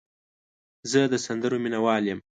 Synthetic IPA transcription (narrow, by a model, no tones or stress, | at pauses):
zəd̪əsand̪əɾominawɑljəm